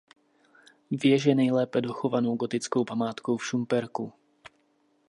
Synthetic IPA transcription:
vjɛʒɛnɛjlɛːpɛdoxovanowɡot̪ɪt͡skowpamaːt̪kowfʃumpɛɾku

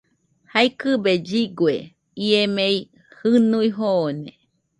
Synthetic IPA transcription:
hajkɨbed͡ʒiɡwe | iemei | hɨnuiɦoːne

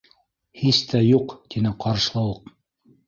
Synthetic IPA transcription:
hist̪ʰæjuqt̪inɘqɑɾɤ̆ʃ̆lˠɤ̆wɤq

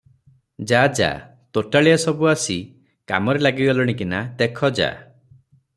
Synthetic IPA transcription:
d͡ʒad͡ʒa̰ | t̪oʈaɭijasɔbuasi | ka̰mɔɾelaɡiɡalɔɽ̃ikinat̪ekʰɔd͡ʒa̰

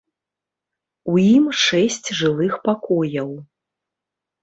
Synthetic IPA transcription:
ujimʂɛsʲt͡sʲʐɨlˠɨxpakɔjɐw

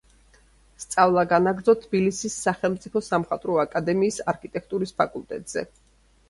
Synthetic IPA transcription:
st̪sʼavlˠaɡanaɡɾd̪zɔt̪ʰːbilisisːaχɛlˠmt̪sʼipʰɔsamχat̪ʼɾɔakʼad̪ɛmiːsaɾkʰit̪ʼɛk̚ʰt̪ʼuɾispʰakʼulˠt̪ʼɛ̰t̪ʼz̥ɛ̰

